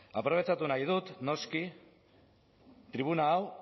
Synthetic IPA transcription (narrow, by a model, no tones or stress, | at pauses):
apɾoβe̞t͡ʃat̪unajð̞ut̪no̞ski | t̪ɾiβ̞unaːw